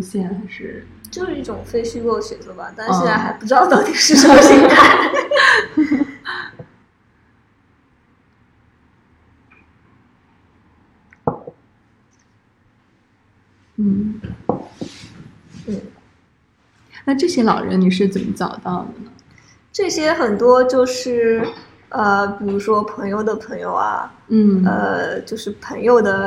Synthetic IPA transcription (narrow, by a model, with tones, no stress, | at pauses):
ɕjɛ˥˩nxa˧˥ɪʂɻ̩˥˩ | t͡ɕjo˥˧ʊʂɻ̩˥˩i˥˩ʈ͡ʂʊ˨˩ŋfe˥˧ɪɕy˥ko˥˩ɕɥɛ˨˩t͡sɤ˧˥ba̰˨t̪a˥˧ɕjɛ˥˧nt͡sa˥˩ɪxa˧˥ɪpu˥˩ʈ͡ʂɻ̩˧˥d̪ɑ˥˧t̪ɑ˥˩ʊt̪i˨˩ʂɻ̩˥˧ʂɕi˥a˥˩ | n̩˥˩ | n̩˥˩ | na˥˧ʈ͡ʂɤ˥˩ɕjɛ˥lɑ˨˩ʊɻə̰˧˥nni˨˩ʂɻ̩˥˩t͡sə˨˩nmə˦t͡sɑ˨˩ʊt̪ɑ˥˩ʊd̪ə˩nə˩ | ʈ͡ʂɤ˥˩ɕjɛ˥xə˨˩nt̪wɔ˥t͡ɕjo˥˧ʊʂɻ̩˥˩ | ə˧pi˨˩ɻu˧˥ʂwɔ˥pʰɤ˧˥ŋjo˥˧ʊd̪ə˩pʰɤ˧˥ŋjo̰˨˧ʊɐ̰˩ | n̩˥˩ə̰˧t͡ɕjo˥˧ʊʂɻ̩˥˩pʰɤ˧˥ŋjo˨˧ʊd̪ə˩